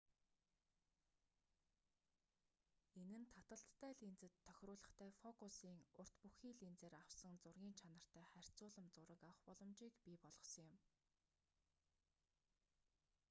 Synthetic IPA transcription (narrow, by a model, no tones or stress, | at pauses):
enɘ̆nt̪ʰat̪ə̆ɬt̪ːæːɮint͡sɘ̆t̪ʰːœxʲrʊːɮə̆χt̪ʰæːfɔkusiːŋʊr̥t̪puxiːɮint͡seːɾawsə̆ŋt͡sʊrɣʲiːnt͡ɕʰanə̆r̥t̪ʰæːχær̥ʲt͡sʊːɮə̆mt͡sʊɾə̆kawə̆χpɔɮɞ̆mt͡ɕiːkpʲiːpɔɮɞ̆χsə̆ŋjʊm